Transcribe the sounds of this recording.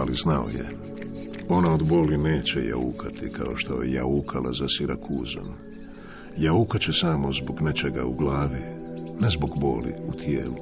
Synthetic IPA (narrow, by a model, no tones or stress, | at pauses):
aliznao̰jḛ | o̞naod̪boːline̞ːt͡ɕḛja̰ukʰat̪ikʰao̞ʃt̪ojḛja̰ukʰalʔazasiɾakʰuːzan | jaukat͡ɕesaːmo̞zboɡnet͡ʃeɡauɡlaːʋinezboɡboːlḭut̪ʰjeːlu